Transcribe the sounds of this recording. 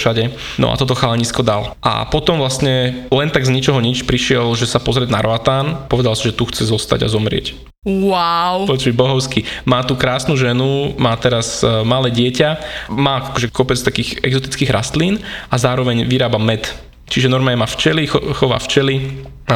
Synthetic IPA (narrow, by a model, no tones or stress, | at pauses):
ʃaɟɛ | nɔ̰ʔa̰t̪ɔt̪ɔxalɛɲiːskɔd̪alʔa̰pɔt̪ɔmʋlastɲɛlɛnt̪aɡzɲit͡ʃɔɦɔɲit͡ʃpɾiʃɪɛlʒɛsapɔzɾɪɛd̪na̰ɾɔat̪aːnpɔʋɛd̪alsiʒɛt̪uxt͡sɛzɔst̪a̰ɟa̰zɔmɾɪɛ̰c | wawpɔt͡ʃibɔɦɔʊskimaːt̪ukɾaːsnuʒɛnumaːt̪ɛɾazmalɛːɟɪɛcamaːakɔʒɛkɔpɛt͡st̪akiːxɛ̰ɡzɔt̪i̥t͡skiːɣɾʔa̰st̪liːnazaːɾɔʋɛɲʋiɾaːbamɛt̪ | t͡ʃiʒɛnɔɾmaɲɛmaːft͡ʃɛlixɔʋa̰ft͡ʃɛli